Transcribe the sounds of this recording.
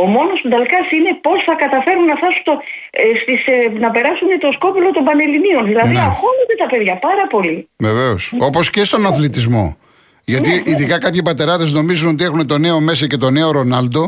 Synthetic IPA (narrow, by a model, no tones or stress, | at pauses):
o̞mo̞nosud̪ɐlkɐsine̞po̞sθɐkɐt̪ɐfe̞ɾunːɐfθɐsunt̪o | st̪isnɐpe̞ɾɐsunet̪o̞sko̞pulo̞t̪o̞mbɐne̞linio̞nðilɐðiɐxoned̪et̪ɐpe̞ðʝɐpɐɾɐpo̞liveveo̞so̞po̞sce̞st̪o̞nɐθlit̪izmo̞̰ | ʝɐt̪iiðikɐkɐpçipɐt̪e̞ɾɐðe̞zno̞mizunot̪̬ie̞xunet̪o̞ne̞o̞me̞sɐce̞t̪o̞neo̞ɾo̞nɐld̪o̞